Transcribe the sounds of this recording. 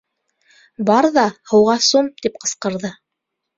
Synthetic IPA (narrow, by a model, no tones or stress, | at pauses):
bɑɾðɑhɤ̆wʁɑsumt̪ip̚qɤ̆sqɤ̆ɾðɤ